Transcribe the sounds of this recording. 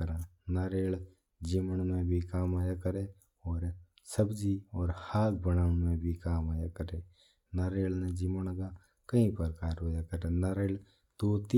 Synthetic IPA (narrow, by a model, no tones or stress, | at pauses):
əɾãː | naːɾeːl | d͡ʒiməɳmẽbʱikaːmaːjakəɾe | ɔːɾ | səbd͡ʒiɔːɾhaːk̚bənaːʊnmẽbʱikaːmaːjakəɾe | naːɾeːɭned͡ʒimənɡa | kəĩpəɾkaːɾɦojakəɾenaːɾeːl | t̪oːt̪i